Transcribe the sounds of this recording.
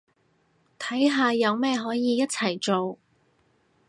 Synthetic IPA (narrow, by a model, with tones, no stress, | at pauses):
t̪ʰɐ˨˥jɦaː˨˧jɐ˨˧wmɛː˥ɦɔː˨˥jiː˨˧jɐ˥t̚t͡sʰɐ˨˩jt͡ʃo˨w